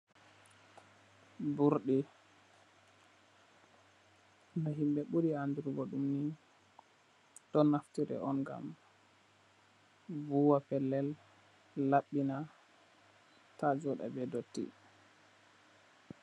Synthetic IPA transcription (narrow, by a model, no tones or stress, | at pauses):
buɾɗi | naɦimbɛɓuɾianduɾɡɔɗumni | tɔnaftiɾɛ̰ɔnɡa̰m | vuwapɛlːɛlː | aɓːina | tad͡ʒɔɗa̰bɛdotːḭ